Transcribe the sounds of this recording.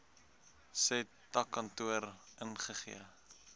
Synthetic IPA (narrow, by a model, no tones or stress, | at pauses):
sɛ | tɐkːɐntuəɾʔənχəχḭə